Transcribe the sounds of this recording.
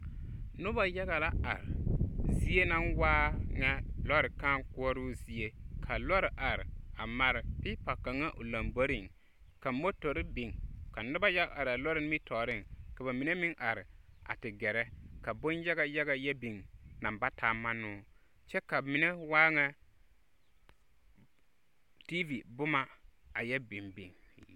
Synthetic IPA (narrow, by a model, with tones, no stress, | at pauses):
nʊ˦ba˨ja˦ɣa˨la˦a̰˨ɾɪ̰˨zi˦e˦na˦nwaː˦ŋa˦lɔ˦ɾɪ˨ka˦ŋkʊ˦ɔ˦ɾʊ˦zi˦e˦kʰa˨lɔ˦ɾɪ˨ʔa˨ɾɪ̰˨a˨ma˨ɾɪ˨pɪ˦pa˨ka˨ŋa˦ʔʊ˨la˨mbo˦ɾɪ˦˨ŋ | ka˨mo˦to˨ɾɪ˦bɪ˨ŋka˨nʊ˦ba˦ja˦ɡa˨ʔa˨ɾɪ˨a˨lɔ˦ɾɪ˨n˦mi˦tʰɔː˨ɾɪ˦˨ŋka˨ba˨mi˨ne˦mɪ˦ŋʔa˨ɾɪ˨a̰˨tɪ˨ɡɛ˨ɾɛ˦ka˨bo˦nja˦ɣa˨ja˦ɡa˨jɛ˦bi˨ŋna˨mba˦taː˨ma˦nʊː˦ | t͡ʃɛ˦ka˨mɪ˨nɛ˦waː˦ŋa˦ | ti˦vi˨bʊ˦ma˦a˨jɛ˦bɪ˨mbḭ˨ŋ